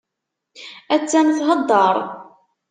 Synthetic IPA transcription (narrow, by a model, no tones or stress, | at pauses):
æt͡sːænθɦəd̪ˤːɑɾˤ